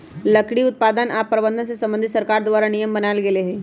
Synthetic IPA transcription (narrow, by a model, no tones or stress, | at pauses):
lɐkɽiʊt̪̚paːd̪ənaːpːɾɐbə̃nd̪ʱənsesɐ̃mbə̃nd̪ʱit̪sɐɾkaːɾd̪ʋaːɾanijəmbənaːlɡeleɦɛː